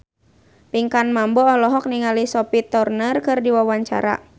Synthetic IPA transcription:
piŋkanmambɔːlɔɦɔk̚niŋalisɔpit̪ɔrnərkɨrdiwawaɲt͡ʃa̰ɾa̰

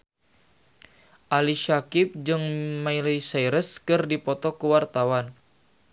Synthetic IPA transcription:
ʔaliʃakɪp̚d͡ʒɨŋmailijsajɾəskɨrdipɔt̪ɔkuwart̪awan

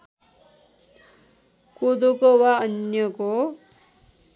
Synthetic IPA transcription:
kod̪okowaʌnjʌko

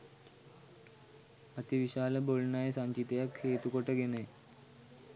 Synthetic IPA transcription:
ət̪iʋiɕaːləbolnajesaɲt͡ʃit̪ejakʰːeːt̪ukoʈəɡenəj

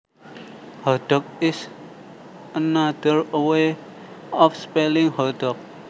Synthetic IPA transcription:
hɔɖ̥ɔ̤k̚ɪs | ənad̪ərəwe | ɔfspɛlɪŋhɔɖ̥ɔ̤k̚

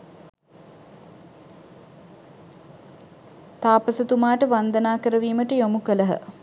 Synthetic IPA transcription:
t̪aːpəsət̪umaːʈəʋand̪ənaːkəɾəʋiːməʈəjomukələɦə̰

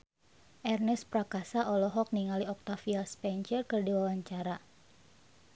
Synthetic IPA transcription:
ʔɛrnɛspɾakasaʔɔlɔɦɔk̚niŋaliɔk̚t̪afiaspɛɲt͡ʃərkɨrdiwawaɲt͡ʃaɾa

